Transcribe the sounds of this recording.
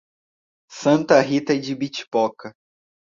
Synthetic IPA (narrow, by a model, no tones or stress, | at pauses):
sɐ̃nt̪ɐɦit̪ɐid͡ʒɪbit͡ʃi̥pɔkɐ